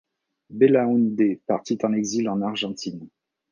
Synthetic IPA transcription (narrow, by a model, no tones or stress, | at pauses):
belaũnd̪epaʁt̪it̪ɑ̃nɛɡzilɑ̃naʁʒɑ̃t̪ʰin